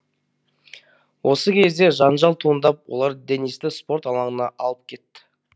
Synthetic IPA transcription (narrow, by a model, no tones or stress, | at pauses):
wʔo̞səkʲʰe̞zd̪e̞ʒɑnʒɑlˠt̪ʰuənd̪ɑp̚wo̞̰lˠɑɾd̪enist̪ɪspo̞ɾt̪ɑlˠɑɴənɑʔɑlˠəp̚kʲʰe̞t̪ːɪ̥